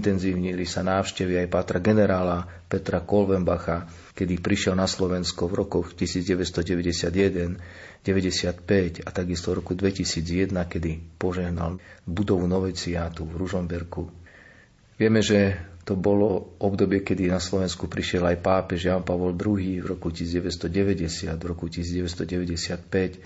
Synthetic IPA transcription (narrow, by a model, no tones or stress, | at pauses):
int̪ɛnziːʊɲilisanaːʊʃcɛʋiajpaːt̪ɾaɡɛnɛɾaːla | pɛt̪ɾakɔlʋɛmbaxa | kɛd̪ipɾiʃɪɛlnaslɔʋɛnskɔvɾɔkɔxcisiːd͡zɟɛʋɛst̪ɔɟɛʋɛɟɛsɪad̪jɛd̪ɛnɟɛʋɛɟɛsɪat̪pɛcat̪aɡist̪ɔvɾɔkud̪ʋɛcisiːd͡zjɛd̪nakɛd̪ipɔʒɛɦnalbud̪ɔʋunɔʋɛt͡siat̪uvɾuʒɔmbɛɾku | ʋɪɛmɛʒɛt̪ɔbɔlɔɔbd̪ɔbɪɛkɛd̪inaslɔʋɛnskupɾiʃɛlajpaːpɛʒjaːnpaʋɔld̪ɾuɦiːvɾɔkuciːd͡zɟɛʋɛst̪ɔɟɛʋɛɟɛsɪad̪vɾɔkuci̥siːd͡zɟɛʋɛst̪ɔɟɛʋɛɟɛsɪat̪pɛc